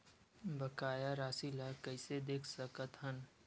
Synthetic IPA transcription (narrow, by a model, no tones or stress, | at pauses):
bəkaːjaɾaːsilakəɪsed̪eːkʰsəkət̪ɦən